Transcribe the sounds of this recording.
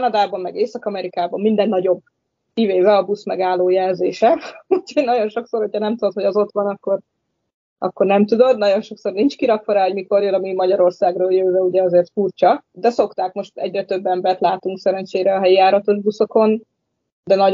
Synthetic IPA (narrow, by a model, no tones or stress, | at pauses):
nɒd̪aːbɒmːɛɡeːsɒkɒmɛɾikaːbɒmːind̪ɛnːɒɟo̞b̚ | kiveːvɛɒbusmɛɡaːlːoːjɛlzeːʃɛucʰojnɒɟo̞nʃo̞kso̞rho̞cʰhɒnɛmt̪ud̪o̞t̪ho̞ɟɒzo̞t̪ʋɒnɒkːo̞r | ʔɒ̰kːo̞rnɛmt̪ud̪o̞d̪nɒɟo̞nʃo̞kso̞rnint͡ʃkiɾɒkfoɾaːɦo̞ɟmiko̞rjolɒmimɒɟɒɾo̞rsaːɡroːljøːvɛuɟɛɒzeːrt̪furt͡ʃɒd̪ɛso̞kt̪aːkmo̞ʃt̪ɛ̰ɟrɛt̪øbːɛmbɛrt̪laːt̪uŋksɛɾɛnt͡ʃeːɾɛɒɦɛjijaːɾɒt̪o̞ʒbuso̞ko̞n | d̪ɛnɒ